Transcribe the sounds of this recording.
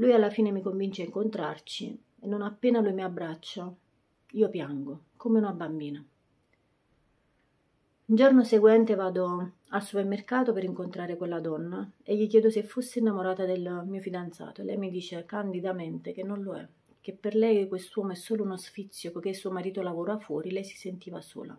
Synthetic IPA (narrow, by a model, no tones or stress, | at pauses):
lujalːafiːnemikoɱvint͡ʃeaiŋkont̪ɾa̰rt͡ʃḭ | enːonapːeːnalujmiabːɾat͡ʃːa | iːopjaŋɡo | komeunabambiːna | und͡ʒornoseɡwɛnt̪evaːd̪o | alsupermerkaːt̪opeɾiŋkont̪ɾaːɾekwelːad̪ɔnːaeʎːik̬jɛːd̪ʊsefːusːeːnːamoɾaːt̪ad̪elmiːofid̪ant̪sa̰ːt̪oelːɛ̰jmid̪iːt͡ʃekand̪id̪ament̪ek̟enːonloɛ̰ | k̟epːerlɛjkwest̪uwɔːmoɛsːoːlounosfit̪sːjokok̟esːuomaɾiːt̪olavoːɾafwɔːɾilɛjsi̥sent̪iːvaso̰ːla̰